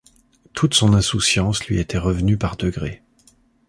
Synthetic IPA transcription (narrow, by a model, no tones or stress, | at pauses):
t̪ʰut̪sɔ̃nɛ̃susjɑ̃slɥiet̪ʰɛʁəvnypaʁd̪əɡʁe